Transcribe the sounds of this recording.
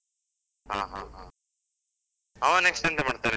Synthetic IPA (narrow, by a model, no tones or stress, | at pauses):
ɦaːɦaɦa | ɦaneksʈɐnd̪emaːɖt̪aːɾe